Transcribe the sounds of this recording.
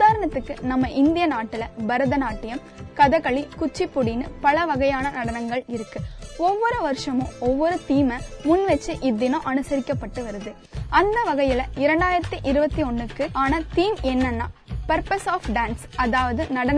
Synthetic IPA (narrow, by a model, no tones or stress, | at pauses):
aːɾɐɳɐt̪ːɯkːɯnɐmːɐʔɪnd̪ɪjɐnaːʈːɪlɐbɐɾɐðɐnaːʈːɪjɐm | kɐðɐkɐɭikʊt͡ʃːipːʊɽɪnɯpɐɭɐʋɐɣɐjaːnɐnɐɽɐnɐŋɡɐɭɪɾɯkːɯɔʋːɔɾɯʋɐɾɯʂɐmõːɔʋːɔɾɯt̪iːmɐmʊnːʋɛt͡ʃːɯʔɪðːɪnõʔɐnɯsɐɾɪkːɐpːɐʈːɯʋɐɾɯðɯ | ɐnd̪ɐʋɐɣɐjɪlɐɪɾɐɳɖaːjɪɾɐt̪ːiʔɪɾɯbɐt̪ːiɔɳːɯkːɯʔaːnɐt̪iːmɛnːɐnːa̰ːpɐɾpɐsaːfɖaːnsɐðaːʋɐðɯnɐɽɐnɐ